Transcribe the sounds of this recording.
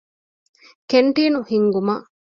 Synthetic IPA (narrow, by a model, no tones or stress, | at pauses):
keɳʈiːnuhiŋɡumɐʔ